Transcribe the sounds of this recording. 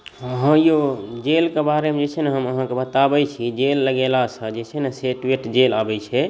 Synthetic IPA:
əɦãjod͡ʒelkebaɾemẽd͡ʒet͡ʃʰɛneɦəməɦãkebət̪abɛt͡ʃʰid͡ʒelːəɡelasə̃d͡ʒet͡ʃʰɛneseʈiʈd͡ʒelabɛt͡ʃʰɛ

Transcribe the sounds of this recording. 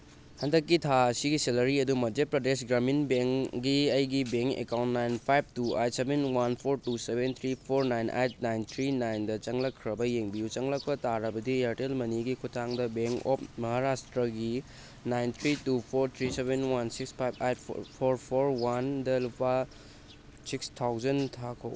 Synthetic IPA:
hɐndɐkːitʰasiɡiselɐɾiɐdumɐd͡ʒet̚pɾɐdesɡɾaminbeŋkɡiɐjɡibeŋkḛkawntnajnpʰajb̚tua̰jt̚sebenwanpʰoɾtusebʱent̪ʰɾipʰoɾnajnʔa̰jt̚ʰnajnt̪ʰɾinajndɐt͡ʃɐŋlɐkʰːɾɐbɐjeŋbijut͡ʃɐŋlɐk̚pɐtaɾɐbɐdiaɾtelmɐniɡikʰutʰaŋdɐbeŋko̰pmɐɦaɾastɾɐɡi | najnt̪ʰɾitupʰoɾt̪ʰɾisebʱenwansikspʰajbʰa̰jtpʰoɾpʰoɾwandɐlupa | sikstʰawzɐntʰakʰo̰w

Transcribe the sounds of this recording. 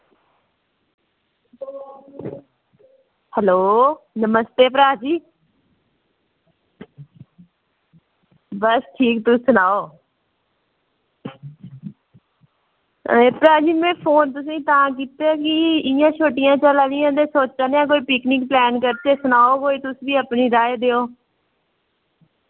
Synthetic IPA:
hɛloːnəməst̪eːpɾaːd͡ʒiː | bəsʈʰiːkt̪ʊ̃sʊnaːoː | eːpɾaːd͡ʒiːmɛ̃ːpʰoːnt̪ʊs̬ĩːt̪aãːk̬iːt̪eakɪɪjãːt͡ʃʰoːʈɪjãːt͡ʃəlaːlɪjãːt̪̬eːsoːt͡ʃt͡ʃaːneːãːk̬oːiːpɪkniːk̚plɛːnkəɾt̪eːsʊnaːoːkoːiːt̪ʊsbiːəpniːɾaːed̪eːoː

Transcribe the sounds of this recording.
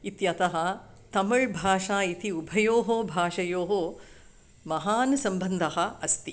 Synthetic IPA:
it̪jɐt̪ɐɦɐ̆ | t̪ɐmɐɭbʱaːʂaːit̪iubʱɐjoːɦoːbʱaːʂɐjoːɦoː | mɐɦaːnsɐmbɐnd̪ʱɐɦɐ̆ɐst̪i

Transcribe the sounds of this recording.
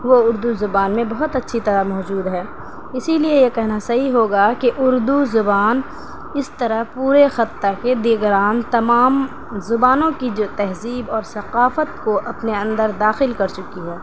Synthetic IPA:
ʋoʊɾd̪uzʊbaːnmẽbɐɦʊt̪ɐtːʃʰit̪ɐɾəmɔːd͡ʒuːd̪ɦɛː | ɪsiliejekɛɦnasɐɦiɦoːɡakeʔʊɾd̪uzʊbaːn | ɪst̪ɐɾəɦpuːɾexɐt̪ːaked̪ɪɡɾaːnt̪ɐmaːm | zʊbaːnõkid͡ʒoːt̪ɛɦziːbɔːɾsɐqaːfət̪koʔɐpneɐ̃nd̪əɾd̪aːxɪlkɐɾt͡ʃʊkiɦɛː

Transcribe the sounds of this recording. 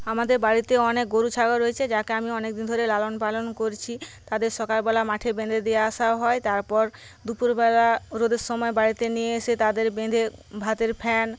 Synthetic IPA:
amad̪eɾbaɽit̪eɔnek̚ɡoɾut͡ɕʰaɡaɾoet͡ɕʰed͡ʑakeamiɔnekd̪ind̪ʱoɾelalonpalonkoɾt͡ɕʰit̪ad̪eɾʃɔkalbɛlamaʈʰebend̪ʱed̪ejaaʃaɦɔet̪aɾpɔɾ | d̪upuɾbɛlaɾod̪eɾʃɔmɔebaɾit̪enijeeʃet̪ad̪eɾbend̪ʱebʱat̪eɾpʰɛn

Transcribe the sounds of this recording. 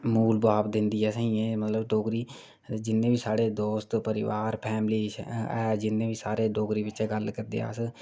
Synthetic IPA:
muːlbaːbd̪ɪnd̪iːɦɛːsəɦĩẽːmət̪ləbɖoːɡɾiː | d͡ʒɪnːẽːbiːsaːɽeːd̪oːst̪pəɾɪʋaːɾpʰɛːmliːɛːd͡ʒɪnːẽːbiːsaːɾeːɖoːɡɾiːʋɪt͡ʃɛːɡəlkəɾd̪ḛːa̰ːs

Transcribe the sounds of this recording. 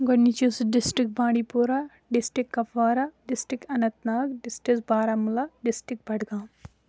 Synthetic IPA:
ɡɔnːit͡ʃusɖɪsʈikbãːɽipuɾa | ɖɪsʈɾikːɐfʋaːɾaɖɪsʈɾikɐnɐt̪naːkɖɪsʈisbaːɾamulaɖɪsʈɾik̚bʱɐɽɡãːm

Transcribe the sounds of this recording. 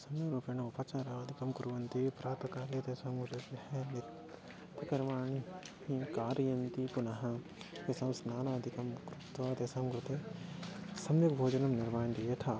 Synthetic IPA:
sɐmjɐɾupenɐupaːt͡ʃaːɾaʋɐd̪ʱikɐmkuɾʋɐnt̪ipɾaːt̪ɐkaːlet̪eːsɐmɡud͡ʒɐt̪ehenit̪ | ɐkɐɾʋaːɳi | hĩkaːɾjɐnt̪ikunaɦɐ̃ | kesɐmsnaːnaːɐd̪ʱikɐmkɾɪt̪ʋat̪esɐmkɾɪt̪e | sɐmjɐkbʱoːd͡ʒɐnɐmnɪɾmaːnd̪ijet̪ʰaː

